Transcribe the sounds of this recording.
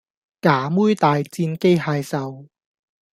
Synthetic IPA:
kaː˨˦muː˥jt̪aː˨jt͡siː˧nke˥jhaː˧jsɐ˨˧w

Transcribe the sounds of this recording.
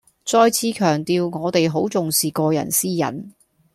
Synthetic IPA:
t͡sɔː˧jt͡sʰiː˨˧kʰœː˨˩ŋt̪iː˨wŋɔː˨˧t̪e˨jɦo˨˥wt͡sʊ˨ŋsiː˨˩kɔː˧jɐ̰˨˩nsiː˥jɐ̰˨˩n

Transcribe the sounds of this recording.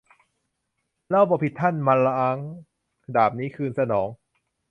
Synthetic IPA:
laː˦˥˩wbɔː˧˩pʰi˨˩t̪ʰːa˥˩nma˧nla˧ʔa˧˥˩ŋ | daː˨˩p̚niː˦˥kʰɯː˧nsa˧nɔː˩˦ŋ

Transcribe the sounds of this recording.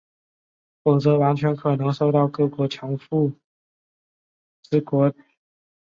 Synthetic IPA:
fʊ˨˩ŋt͡sɤ˧˥wa˧˥nt͡ɕʰɥɛ˧˥nkʰɤ˨˩nɤ˧˥ŋʂo˥˧ʊt̪ɑ˥˧ʊkɤ˥˩kwɔ˧˥t͡ɕʰjɑ˧˥ŋfu˥˩ | t͡sɹ̩˥˩kwɔ˧˥

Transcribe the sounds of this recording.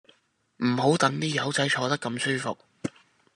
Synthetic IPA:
m̩˨˩ɦo˨˥wt̪ɐ˨˥ŋt̪iː˥jɐ˨˥wt͡sɐ˨˥jt͡ʃʰɔː˨˧t̪ɐ˥kːɐ˧msyː˥fʊ̰˨k̚

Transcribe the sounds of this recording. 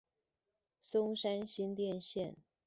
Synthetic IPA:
sʊ˥ŋʂa˥nɕi˥nt̪jɛ˥˧nɕjɛ˥˨n

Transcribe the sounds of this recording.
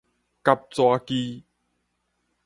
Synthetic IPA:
ka˧p̚t͡swa˧ki˧

